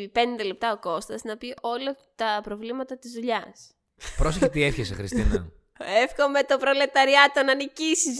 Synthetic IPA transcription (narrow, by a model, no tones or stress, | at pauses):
pe̞nd̪ele̞p̚t̪ɐo̞ko̞st̪ɐznɐpiʔo̞lɐ | t̪ɐpɾo̞vlimɐt̪ɐt̪izðuʎɐs | pɾo̞seçet̪iefçesḛxɾist̪inɐ̰ | efxo̞me̞t̪opɾole̞t̪ɐɾiɐt̪o̞nɐnicisiz